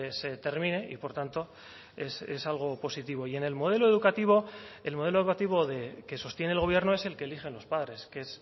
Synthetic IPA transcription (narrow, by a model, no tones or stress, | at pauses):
se̞t̪e̞ɾmĩne̞ʔḭpo̞ɾt̪ant̪o̞ | esḛsalɣ̞opo̞sit̪iβ̞o̞ie̞ne̞lmo̞ð̞e̞lo̞eðukat̪iβ̞o̞e̞lmo̞ð̞e̞loukat̪iβo̞ðe̞ke̞so̞st̪jeneːlɣoβje̞ɾno̞e̞se̞lkeːlixe̞nlo̞spaðɾe̞skees